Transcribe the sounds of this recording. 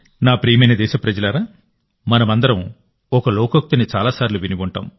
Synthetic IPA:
naːpɾiːjmɐjnɐd̪ɛːʃɐpɾɐd͡ʒɐlɐɾaː | mɐnɐmɐnd̪ɐɾɐm | ɔkɐloːkok̚t̪init͡ʃaːlaːsaːɾiluʋiniʋuɳʈa̰ːm

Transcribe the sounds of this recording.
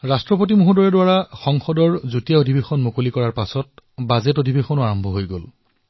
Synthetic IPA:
ɹastɹɔpot̬imuɦudɔɹɛdwaɹaxɔŋxɔdɔɹzutijaodʱibexɔnmokolikɔɹaɹpasɔt̚bazetodʱibexɔnʊaɹɔmbʱɔɦojɡo̰l

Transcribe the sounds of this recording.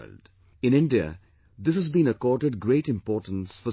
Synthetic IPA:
ld | ɪ̃nɪ̃nɖiə̰ | d̪ɪs̬əzbĩːnəkɔːʈəɖ̚ɡɾeːʈɪ̃mpɔːʈə̃n̩sfɔ

